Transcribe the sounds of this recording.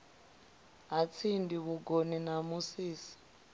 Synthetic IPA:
ɦat͡sʰindiβuɡoninamusiːsi̥

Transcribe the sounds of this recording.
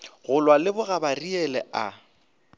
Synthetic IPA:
ɣʊlwalɪbʊɣabariɛlɛa

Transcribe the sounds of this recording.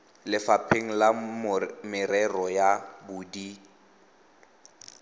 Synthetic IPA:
lɪfapʰeŋ̩la | mɪrɛrɔjabʊdi

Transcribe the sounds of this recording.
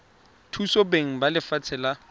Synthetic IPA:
tʰusobeŋ̩balɪfat͡sʰɪla

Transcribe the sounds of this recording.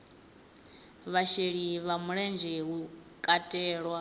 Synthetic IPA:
βaʃeɺiβamuɺɛnd͡ʒɛɦu | kʼatʼɛːɺwa

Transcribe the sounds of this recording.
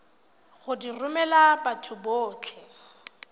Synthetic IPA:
ɣʊdirʊmɛlabatʰʊboːt͡ɬʰɛ

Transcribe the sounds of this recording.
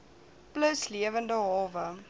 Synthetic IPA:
pləsliəvəndəɦɑːvə

